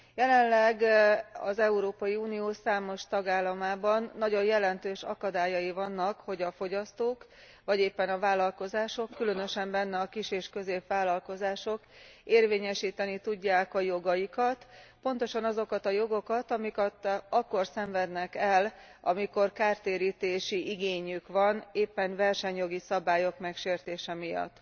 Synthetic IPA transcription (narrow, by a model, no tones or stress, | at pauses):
jɛlɛnlɛɡɒ̰zɛuɾoːpɒjiuːnijoːsaːmo̞ʃt̪ɒɡaːlːɒmaːbɒnːɒɟo̞njjɛlɛnt̪øːʃɒ̰kɒd̪aːjɒjivɒnːɒkho̞ɟɒfo̞ɟɒst̪oːk | ʋɒɟeːpːɛnɒvaːlːɒlko̞zaːʃo̞kːylø̞nø̞ʃɛmbɛnːɛɒkiʃeːʃkø̞zeːpʋaːlːɒlko̞zaːʃo̞keːrveːɲɛʃiːt̪ɛnit̪uɟːaːkɒjo̞ɡɒjikɒt̪po̞nt̪o̞ʃɒnɒzo̞kɒt̪ɒjo̞ɡo̞kɒt̪ɒmikɛt̪ɒkːo̞rsɛɱvɛd̪nɛkɛl | ɒ̰miko̞rkaːrt̪eːɾiːt̪eːʃiʔiɡeːɲykʋɒneːpːɛnvɛrʃɛɲjo̞ɡisɒbaːjo̞kmɛkʃeːrt̪eːʃɛmijɒ̰t̪ː